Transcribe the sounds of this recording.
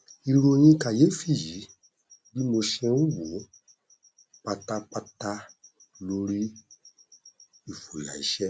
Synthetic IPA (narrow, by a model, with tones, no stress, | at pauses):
i˧ɾo˧j̃ĩ˧ka˨je˨˦fi˦˨ji˨˦ | di˦mo˧ʃɛ̃˧ũ˦wo˨˦ | k͡pa˧ta˦k͡pa˧ta˦ | lo˧ɾi˦ | i˦˨fo˨la̰˨i˨˦ʃɛ˦